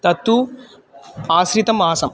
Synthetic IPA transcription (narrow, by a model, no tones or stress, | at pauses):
t̪ɐt̪ːu | aːsɾit̪ɐmaːsɐm